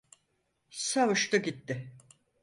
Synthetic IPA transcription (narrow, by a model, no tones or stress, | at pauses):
savuʃt̪ɯɟit̪ːɪ